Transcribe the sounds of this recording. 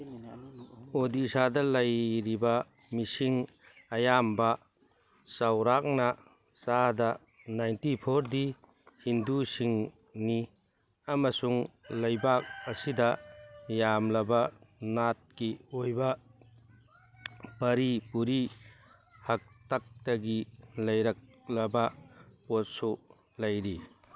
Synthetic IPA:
odisadɐlɐjɾibɐ | misiŋ | ɐjambɐ | sɐwɾak̚nɐ | sadɐ | najntipʰoɾdi | hindusiŋ | ni | ɐmɐsuŋlɐjbak̚ɐsidɐjamlɐbɐnat̚kiojbɐ | pɐɾipuɾi | hɐk̚tak̚tɐɡilɐjɾɐk̚ | lɐbɐpot̚su | lɐjɾi

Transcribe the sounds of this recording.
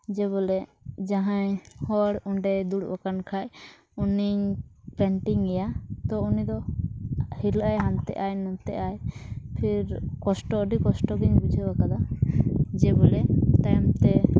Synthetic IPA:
d͡ʒɛβɔlɛ | d͡ʒaɦãjhɔɽuɳɖɛd̪uɽbakankʰaj | uniɲpɛɳʈiŋɛjat̪ɔunid̪ɔ | hilʔajɦant̪ɛ̰ʔajnɔnt̪ɛ̰ʔajpʰiɾkɔsʈɔːɖikɔsʈɔɡiɲbud͡ʒʱəbakad̪a | d͡ʒɛbɔlɛt̪ajmt̪ɛ

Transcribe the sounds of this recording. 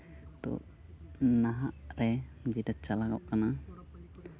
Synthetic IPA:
t̪ṵʔ | naɦaʔɾɛd͡ʒidat͡ʃːalakɔ̰ʔkana

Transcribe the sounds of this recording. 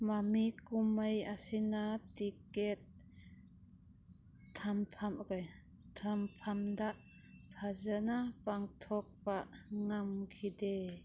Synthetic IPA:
mamikʊmɐjasinat̪ikɛt̪̚ | ɐmpʰɐmk | t̪ʰɐmpʰɐmd̪aʔ | pʰazanapɐŋt̪ʰɔk̚paʔŋamkʰid̪ɛ

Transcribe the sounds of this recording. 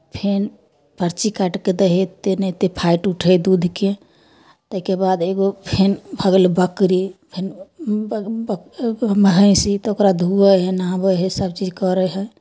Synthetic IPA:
pʰen | pəɾt͡ʃikaʈked̪əɦet̪enət̪epʰaɪʈuʈʰəd̪ud̪ʱke | t̪əɦkebaːd̪eɡopʰenbʱəɡlbəkɾipʰɪn | bkməɦəɪ̃sit̪ɔokɾad̪ʱuəɦenãbəɦesəb̚t͡ʃiːd͡ʒkɔɾəɦə

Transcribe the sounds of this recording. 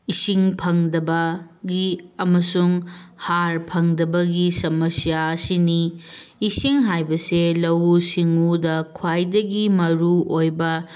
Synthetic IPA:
isiŋpʰɐŋdɐbɐɡiɐmɐsuŋhaɾpʰɐŋdɐbɐɡisɐmɐsijaɐsiniː | siŋɦajbɐselɐwusiŋudɐkʰwajdɐɡimɐɾuojbɐ

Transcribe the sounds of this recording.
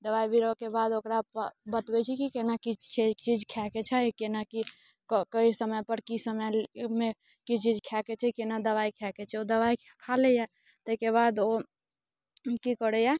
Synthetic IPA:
d̪əβaibiɾokebad̪okɾapbət̪bɛt͡ʃʰikikenakikʰet͡ʃid͡ʒkʰɛket͡ʃʰɛjkenaki | kkəisəməjpəɾkisəməme | kit͡ʃid͡ʒkʰɛket͡ʃʰɛkenad̪əβaikʰɛket͡ʃʰɛod̪əβaikʰkʰaleja | t̪əikeβad̪o | kikəɾɛja

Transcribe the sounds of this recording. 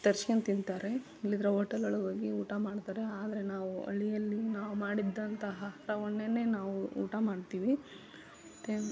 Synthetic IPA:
t̪ɐɾt͡ʃkent̪ind̪t̪aːɾe | ilːid̪ɾeɦoːʈːɐlɐɭuɡoːɡiuːʈamaːɖt̪aːɾeaːd̪ɐɾenaːʋuɐ̰ɭijɐlːinaːʋumaːɽid̪ːɐnt̪ɐɦɐɾɐoɳːene̞ːnaːʋuṵːʈamaːɽt̪iːʋi | t̪e

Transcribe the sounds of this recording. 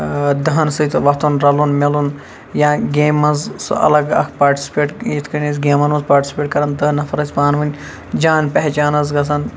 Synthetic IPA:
d̪ɐɦɐnsɨt̪ʋɐt̪unɾɐlunmelun | jãːɡeːmɐnzsɐ̰lɐɡɐ̰kʰpaːɾʈi̥sʲi̥peːʈjit̪ʰkɐnʲisʲɡeːmɐnʋɐzpaːɾʈʲi̥sʲi̥pʲeːʈ̚kɐɾɐnd̪ɐɦnɐfʰɐɾɐsʲbaːnʋɨnʲ | d͡ʒaːnpɐɦt͡ʃaːnɐzɡɐs̬ʰɐn

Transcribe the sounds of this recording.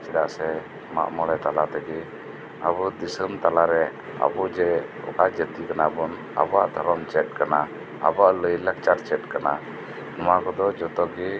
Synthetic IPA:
t͡ʃɛdaʔsɛ | ma̰ʔmɔɽɛt̪alat̪ɛɡi | a̰bud̪isəmt̪alaɾɛ | a̰bud͡ʒɛ | ɔ̰kad͡ʒət̪ikanabɔn | a̰bɔaʔd̪ʱɔɾɔmt͡ʃɛt̪̚kana | a̰baʔləjlək̚t͡ʃaɾt͡ʃɛt̪̚kana | nɔwakɔd̪ɔd͡ʒɔt̪ɔɡi

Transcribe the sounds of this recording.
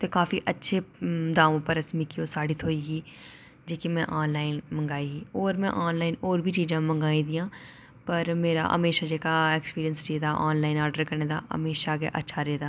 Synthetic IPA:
t̪eːkaːfiʔətːʃʰed̪aːʋõːpəɾəsmɪkiõsaːɽiːt̪ʰoːiːɡiː | d͡ʒeːkimɛ̃ʔaːnlaːɪnmə̃ŋɡaːiɡiːoːɾmɛ̰̃ʔaːnlaːɪnoːɾbʱiːt͡ʃiːd͡ʒãːmə̃ŋɡaːĩːd̪ɪjãː | pəɾmeːɾa̰ːɦə̰meːʃad͡ʒeːkaekspiːɾijənsɾeːd̪aːʔaːnlaːɪnaːɾɖəɾkəɾneːd̪aːɦə̰meːʃaːɡɛ̰ːʔə̰tːʃʰaːɾeːd̪aː

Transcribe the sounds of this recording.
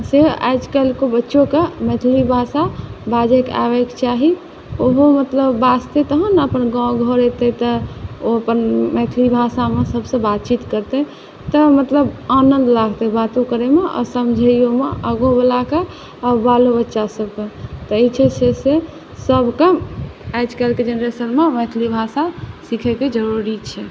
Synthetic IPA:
sea̰jd͡ʒkəlkobətːʃõkemɛt̪ʰlibʱasabad͡ʒeka̰ʋekt͡ʃaɦi | oɦomət̪ləbːast̪et̪əɦənəpənɡãɡʱɔɾet̪ət̪əoəpənmɛt̪ʰlibʱasamesəbsə̃bat̪̚t͡ʃit̪kəɾt̪e | t̪əmət̪ləbanənd̪laɡʱt̪ɛbat̪ukəɾemeɔ̰səmd͡ʒʱəjomeʔəɡõbəlake | abalobətːʃasəbʱket̪əit͡ʃʰɛt͡ʃʰese | səbʱkəmad͡ʒkɛlked͡ʒenɾesənmemɛt̪ʰlibʱasasikʰɛked͡ʒəɾuɾit͡ʃʰɛ

